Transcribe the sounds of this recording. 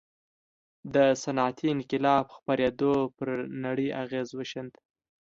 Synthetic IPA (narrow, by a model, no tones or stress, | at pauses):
d̪əsanɑt̪ʰinkɪlɑbxpaɾed̪opəɾnaɽəjʔaɣezwəʃənd̪